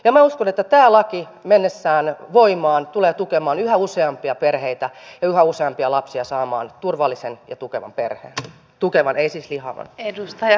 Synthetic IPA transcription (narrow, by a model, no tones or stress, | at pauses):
jɑmæuskonet̪ːæt̪æːlɑki | menːesːæːnʋoimɑːnt̪uleːt̪ukemɑːnyhæuseɑmpiɑperheit̪æjɑyhæuseɑmpiɑlɑpsiɑsɑːmɑ̰ːnt̪urʋɑlːisenjɑt̪ukeʋɑ̰mperhḛːn | t̪ukeʋɑneisiːslihɑ̰ʋɑ̰nedust̪ɑjɑ